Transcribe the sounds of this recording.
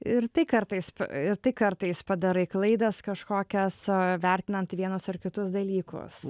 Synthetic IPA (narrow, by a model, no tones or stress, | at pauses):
ɪɾt̪ɐɪkɐɾt̪ɐɪspɐ̰ɪɾt̪ɐɪkɐɾt̪ɐɪspɐd̪ɐɾɐɪklˠɐɪd̪ɐskɐʃkoːkʲɛsʋʲɛɾʲt̪ʲɪnɐnt̪ʋʲiɛnʊsɐɾkʲɪt̪ʊsd̪ɐlʲiːkʊ̰s